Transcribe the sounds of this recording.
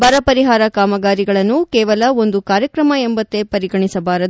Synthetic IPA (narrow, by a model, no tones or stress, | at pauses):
bɐɾɐpɐɾiɦaːɾɐkaːmɐɡaːɾiɡɐɭɐnːukɛːʋɐlɐo̞nd̪ukaːɾjɐkɾɐmɐembɐt̪ːe̞pɐɾiɡɐɳisɐbaːɾɐd̪